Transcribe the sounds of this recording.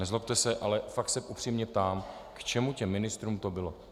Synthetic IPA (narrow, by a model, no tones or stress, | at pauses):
nɛzlopt̪ɛsɛʔalɛfakt̪sɛʔupr̥iːmɲɛp̚t̪aːmkt͡ʃɛmucɛmːɪnɪst̪ɾuːmt̪o̞bɪlo